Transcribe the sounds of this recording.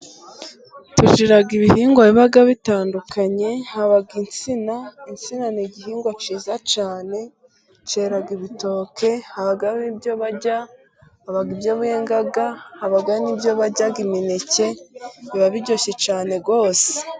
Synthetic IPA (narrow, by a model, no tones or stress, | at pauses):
tuʒiɾaɡiβihiːŋɡwaiβaɡaβitaːndukʰaɲe̞haβaɡint͡sinaint͡sinaniɟiɦiːŋɡwat͡ʃiːzat͡ʃaːne̞ | t͡ʃe̞ɾaɡiβito̞ːkʰe̞haβaɡaβibjo̞βaɟa | haβaɡibjoβujeːŋɡaɡahaβaɡanibjo̞βaɟaɡiminece̞βiβaβiɟo̞çe̞t͡ʃaːne̞ɡo̞ːse̥